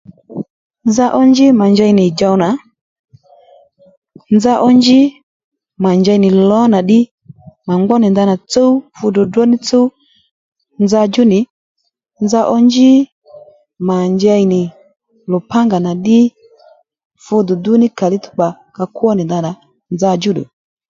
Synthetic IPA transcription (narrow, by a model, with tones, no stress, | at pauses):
nza˦ʔɔ˦nd͡ʒi˦ma˨nd͡ʒa˦i˨nɪ˨d͡ʒa˧wna˨˦ | nza˦ʔɔ˦nd͡ʒi˦ | ma˨nd͡ʒa˧i˨nɪ˨lɔ˨˦na˨ɗɪ˦ | ma˨ŋɡ͡bɔ˦ni˨nda˦na˨t͡so˦u˦fu˧dɔ˨dɔ˦ni˦t͡so˦ | nza˧d͡ʒu˦nɪ˨˦ | nza˦ʔɔ˦nd͡ʒi˦ | ma˨ɲd͡ʒa˧˦i˨nɪ˨ | lɔ˨pa˦ŋɡa˨na˨ɗɪ˦ | fu˧dɔ˨du˦ni˦ka˨li˦tu̥˦k͡pa˨ | ka˨kwɔ˦ni˨nda˧na˨ | nza˧d͡ʒu˦dʊ̰˨